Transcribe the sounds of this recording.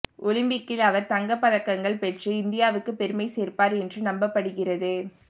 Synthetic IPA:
ʔʊlɪmbɪkːɪlɐʋɐɾt̪ɐŋɡɐpːɐðɐkːɐŋɡɐɭpɛʈrɯɪnd̪ɪjaːʋɯkːɯpɛɾɯmɐɪseːrpaːɾɛndrɯnɐmbɐpːɐɽɯɣɪrɐðɯ

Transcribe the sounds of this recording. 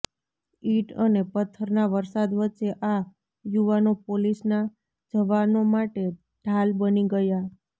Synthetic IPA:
iʈənepət̪ʰːəɾnaʋəɾsad̪ʋətːt͡ʃeʔa | juʋanopolisna | d͡ʒəʋanomaʈe | ɖʱalbəniɡəja

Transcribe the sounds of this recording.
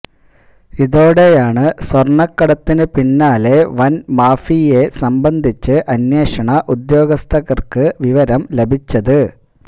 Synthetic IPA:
iðo̞ːɽe̞jaːɳɨswɐrɳɐkːɐɽɐt̪ːinɨpinːaːle̞ʋɐnmaːfije̞sɐmbɐnd̪ʱit͡ɕːɨʔɐnjeːʂɐɳɐʔud̪jo̞ːɡɐst̪ʰɐɣɐrkɨʋiʋɐɾɐmle̞bʱit͡ɕːɐðɨ

